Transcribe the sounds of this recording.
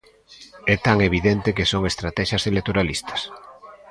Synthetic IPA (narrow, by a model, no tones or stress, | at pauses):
ɛt̪aŋeβ̞iðent̪ekesoŋest̪ɾat̪ɛʃaselet̪oɾalist̪ʰɐ̥s